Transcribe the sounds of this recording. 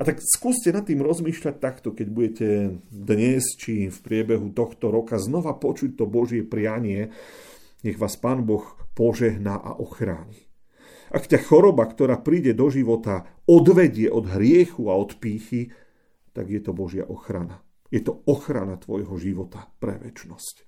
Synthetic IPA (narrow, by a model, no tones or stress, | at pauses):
at̪akskuːscɛnat̪ːiːmɾɔzmiːʃʎac̚t̪akt̪ɔkɛɟbuɟɛcɛd̪ɲɛst͡ʃifpɾɪɛbɛɦut̪ɔxt̪ɔɾɔkaznɔʋapɔt͡ʃuc̚t̪ɔbɔʒɪɛpɾɪjaɲɪɛ | ɲɛɣʋaːspaːnbɔxpɔʒɛɦnaʔa̰ʔɔxɾa̰ːɲi | ʔakcaxɔɾɔbakt̪ɔɾaːpɾiːɟɛd̪ɔʒiʋɔt̪aɔd̪ʋɛɟɪɛʔɔd̪ɦɾɪɛxuaɔt̪piːxi | t̪a̰ɡjɛt̪ɔbɔʒɪa̰ʔɔxɾana | jɛt̪ɔɔxɾa̰nat̪ʋɔjɦɔʒiʋɔt̪apɾɛ̰ʋɛ̰t͡ʃnɔsc